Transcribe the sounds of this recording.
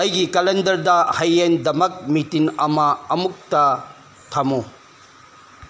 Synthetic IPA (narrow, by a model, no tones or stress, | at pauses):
ɐjɡikɐlendɐɾdɐhɐjendɐmɐk̚mitiŋɐmɐɐmuk̚tɐ | tʰamu